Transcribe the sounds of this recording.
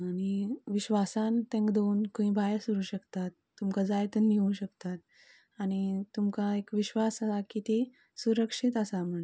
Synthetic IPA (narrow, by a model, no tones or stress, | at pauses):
añiʋiɕʋasãnt̪ẽŋkd̪ounkəĩbʱajsuɾuːɕəkt̪at̪ːumkad͡zajt̪ənːiũɕəkt̪at̪̚ | aɽ̃it̪umkaekʋiɕʋasəsakit̪e | suɾəkʂit̪əsam̤əɳ